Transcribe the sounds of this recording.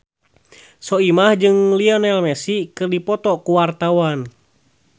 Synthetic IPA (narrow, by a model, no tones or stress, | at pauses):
sɔimahd͡ʒɨŋliɔnɛlmɛsikɨrdipɔt̪ɔkuwart̪awan